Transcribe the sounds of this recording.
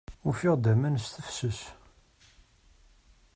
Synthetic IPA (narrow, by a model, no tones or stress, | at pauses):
ʊɾfiʁd̪æmænst̪əfsəs